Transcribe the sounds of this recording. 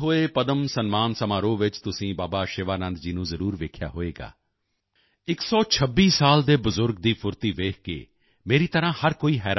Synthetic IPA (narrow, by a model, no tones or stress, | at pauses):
ɦoːeːpəd̪əmsənmaːnsəmaːɾõːʋɪt͡ʃt̪ʊsĩːbaːbaːʃɪʋaːnə̃nd̪̚d͡ʒiːnũːzəɾuːɾʋeːkʰja̰ːɦoːeːɡa̰ː | ɪksɔːt͡ʃʰəbːiːsaːld̪eːbʊzʊɾɡ̚d̪iːpʰʊɾt̪iːʋeːkʰkḛː | meːɾiːt̪əɾãːhəɾkoːiːɦɛːɾ